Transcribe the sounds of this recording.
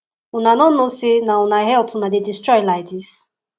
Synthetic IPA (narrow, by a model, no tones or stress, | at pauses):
unanɔnosenaunaɦɛlpunadedistɹɔjlaɪdis